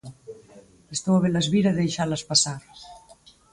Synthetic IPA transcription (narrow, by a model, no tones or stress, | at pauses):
est̪owaβelazβiɾaðejʃaɾlaspasaɾ